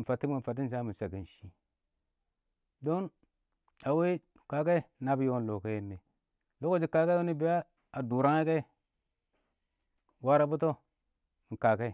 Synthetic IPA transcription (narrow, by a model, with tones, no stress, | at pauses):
n̩˨fa˨tːi˦mu˨fa˨t̬ːi˦n˨sa˦mi˨sa˨ɡi˨n˨ʃi˦ | do˦n | a˨we˦ | ka˨ke˦na˦bi˦jo˦n˨lo˨ke˦je˦nːe˨ | lo˦ko˦d͡ʒi˨ka˨ke˦o˦ni˦bi˦ja˦ | a˨du˨ɾa˦ŋe˦ke˦ | wa˦ɾa˦bu˦to˦˨ | ŋ̩˨ka˨ke˦˨